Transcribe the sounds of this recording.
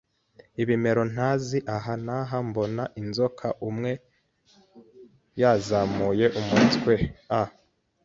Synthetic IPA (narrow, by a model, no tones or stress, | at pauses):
iβime̞ɾo̞n̥haziʔaɦanaɦambo̞naʔinzo̞kʰaʔumŋe̞ | jaːzamuje̞ʔumutkwea